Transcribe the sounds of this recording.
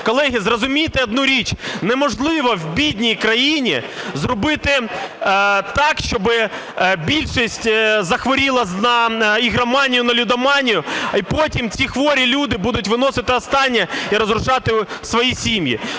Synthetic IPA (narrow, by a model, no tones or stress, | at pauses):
kɔlˠɛɦʲizrɔzʊmʲijt̪ɪɐd̪nuɾʲit͡ʃnɛmɔʒlˠɪʋɔwbʲidʲnʲijkɾɐjinʲizrɔbɪt̪ɪ | t̪ɑkʃt͡ʃɔbɪ | bʲilʲʃisʲtʲzɐxʋɔɾʲilˠɐnɐiɣɾɐmɑnʲijʊnɐlʲʊd̪ɐmɑnʲijʊipɔtʲimt͡sʲixʋɔɾʲilʲud̪ɪbud̪ʊtʲʋɪnɔsɪt̪ɪɔst̪ɑnʲːɐiɾɔzɾʊʒɑt̪ɪsʋɔjisʲimjḭ